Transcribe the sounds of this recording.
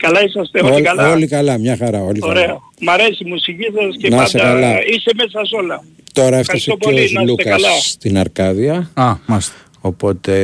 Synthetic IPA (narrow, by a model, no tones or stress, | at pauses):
kɐlɐisɐst̪eoolɐlolikɐlɐmɲɐxɐɾɐo̞likoɐɾeɐ | mɐɾe̞simusicisɐscenɐɐsekɐlɐisemesɐsolɐ | t̪o̞ɾɐefɐsoozlukɐɐsɐt̪inɐɾkɐðiɐɐmɐs | opo̞t̪e